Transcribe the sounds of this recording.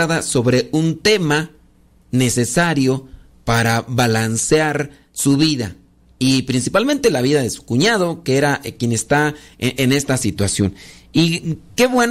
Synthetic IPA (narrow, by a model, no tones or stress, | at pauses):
aðasoβɾeunt̪ema | nesesaɾjo | paɾaβalansjaɾ | suβiða̰ | ipɾinsipalment̪elaβiðaðesu̥kuɲað̞okeeɾakjenest̪aʔenest̪asit̪wasjonikeβwen